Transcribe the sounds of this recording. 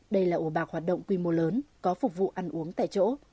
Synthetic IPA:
ɗə˧jlaː˨˩ʔu˧˩ɓaː˨˩k̚hwaː˨˩t̚ɗə̰˧˨ŋ͡mkwi˧mo˨˧˦ləː˨˦nkɔ˨˦fʊ˨˩k͡p̚vṵ˧˨ʔa˧jŋ̟ʔu˨˦əŋt̪a̰ː˧˨jt͡ɕo̰˧˥

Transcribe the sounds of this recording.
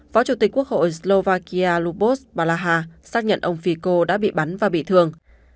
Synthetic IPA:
fɔ˨˦t͡ɕu˧˩t̪i˨˩k̟ku˦˥ək̚ho̰˧˨jslo˧vaː˧ki˧aː˧lu˧ɓo˦˥sɓaː˧laː˧ɦaː˧saː˦˥k̚ɲə̰˧˨nʔə˧wŋ͡mfi˧ko˧ɗa̰ː˧˥ɓḭ˧˨ɓa˨˦nvaː˨˩ɓḭ˧˨t̪ʰɨ˧əŋ

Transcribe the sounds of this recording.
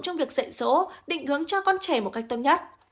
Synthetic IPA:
t͡ɕɔ˧wŋ͡mvi˨˩ək̚z̥ə̰˧˨jso̰˧˦ɗḭ̈˧˨ŋ̟hɨ˨˦əŋt͡ɕɔ˧kɔ˧nt͡ɕɛ˧˩mo˨˩t̚ka˦˥jk̚t̪o˧nɲə˦˥t̚

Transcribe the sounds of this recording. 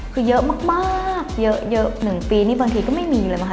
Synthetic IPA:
kʰɯː˧jɤ˦˥ʔmaː˥˩k̚maː˥˩k̚jɤ˦˥ʔjɤ˦˥ʔnɯ˨˩˦ŋpiː˧niː˥˩baː˧ŋt̪ʰiː˧kɔː˥˩ma˥˩jmiː˧ləː˧jma˦˥kʰ

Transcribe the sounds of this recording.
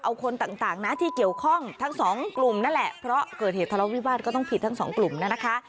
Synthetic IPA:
ʔa˧wkʰo˧nt̪aː˨˩ŋt̪aː˨˩ŋna˦˥t̪ʰiː˥˩ki˨˩əwkʰɔ˥˩ŋt̪ʰa˦˥ŋsɔː˩˦ŋklu˨˩mna˦˥nlɛ˨˩ʔpʰɾɔ˦˥kɤː˨˩t̪̚eː˨˩t̪ʰːa˧lɔ˦˥wiː˦˥˩waː˥˩kɔː˥˩t̪ɔ˥˩ŋpʰi˨˩t̪ʰːa˦˥ŋsɔː˩˦ŋklu˨˩mna˦˥na˦˥kʰa˦˥ʔ

